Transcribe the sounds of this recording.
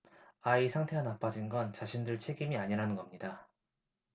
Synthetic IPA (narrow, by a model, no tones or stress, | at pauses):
aisʰaŋtʰe̞ɡanap͈ad͡ʑinɡʌnt͡ɕaɕʰindɯɭt͡ɕʰe̞ɡimiaɲiɾanɯnɡʌmɲida